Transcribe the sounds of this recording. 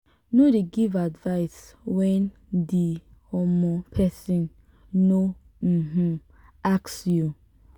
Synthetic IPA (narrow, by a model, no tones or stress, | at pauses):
nodeɡivadvaɪswɛ̃n | dihɔmɔ̃pʰɛsĩn | no | m̩m̩ | aksju